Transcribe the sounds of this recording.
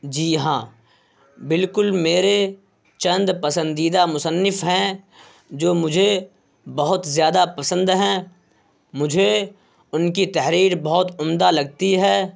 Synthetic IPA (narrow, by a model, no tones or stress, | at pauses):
d͡ʒiːɦãː | bɪlkʊlmeːɾe | t͡ʃɐ̃nd̪pɐsə̃nd̪iːd̪amʊsənːɪfɦɛ̃ | d͡ʒoːmʊd͡ʒʱe | bɐɦʊt̪zjaːd̪apɐsə̃nd̪ɦɛ̃ː | mʊd͡ʒʱe | ʊnkit̪ɛɦɾiːɾbɐɦʊt̪ʊmd̪alɐɡ̚t̪iɦɛː